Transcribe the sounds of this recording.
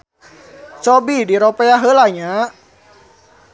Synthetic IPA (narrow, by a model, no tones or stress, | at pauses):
t͡ʃɔbidiɾɔpɛaɦəlaɲa